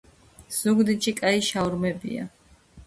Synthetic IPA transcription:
z̥uɡd̪it͡ʃikʼaiʃavɾmɛbḭa̰

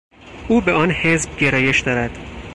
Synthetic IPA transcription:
ʔuːbeɒːnhe̞zb̚ɟe̞ɾɒːje̞ʃd̪̥ɒːɾæd̪̥

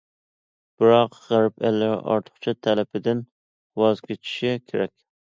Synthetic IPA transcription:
b̥ɨɾɑqʁæɾpɛlːɪɾ̰ʔɑ̰ɾt̪ʰə̥χt͡ʃʰɑt̪ʰɛlɛpɪd̪ɪn | wɑzɡʲet͡ʃʰi̥ʃɪkʲʰeɾɛkʲ

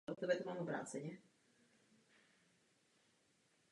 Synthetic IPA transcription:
ɔt̪ɛbɛt̪omaːmobɾa̰ːt͡sɛɲɛ

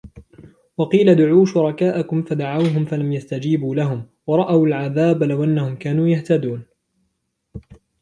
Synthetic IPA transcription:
wɑqiːlad̪ʊʕuːʃʊɾˤɑkaːʔakʊmfad̪aʕawɦʊmfalamjast̪ad͡ʒiːbuːlaɦʊm | wɑɾˤɑʔawalʕaðaːblawʔanːahʊmkaːnuːjaht̪ad̪uːn

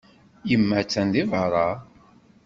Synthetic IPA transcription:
jəmːæt͡sːænðivɾˤɑ

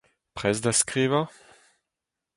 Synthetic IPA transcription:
pχɛsd̪askʁiːva

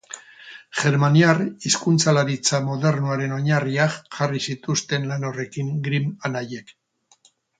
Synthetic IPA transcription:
ʝe̞ɾmaniariskunt͡salaɾit͡samoðe̞ɾnuaɾe̞no̞ɲariakʝarisit̪ust̪e̞nlano̞re̞kiŋɡɾimanaje̞k

